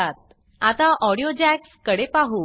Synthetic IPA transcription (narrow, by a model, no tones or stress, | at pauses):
at̪̚ | at̪aʔɔɽijod͡ʑækskəɽepaɦu